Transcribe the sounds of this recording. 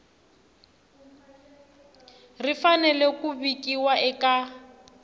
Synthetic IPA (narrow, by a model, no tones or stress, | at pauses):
rifanɛlɛkʼubikʼiwaʔɛkʼa